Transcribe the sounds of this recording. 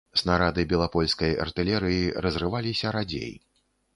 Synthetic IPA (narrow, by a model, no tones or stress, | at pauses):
snaɾad̪ɨbʲɛlˠapɔlʲskɐjɐ̰rt̪ɨlʲɛɾɨjiɾɐzrɨvalʲisʲɐɾad͡zʲḛj